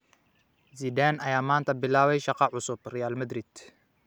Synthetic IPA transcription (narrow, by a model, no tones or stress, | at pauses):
ziːd̪aːnɐjaːmaːnt̪ʰɐbɪlaːβɛjʃɑqɑʕʊsʊbrɛjaːlmɐd̪rid̪̥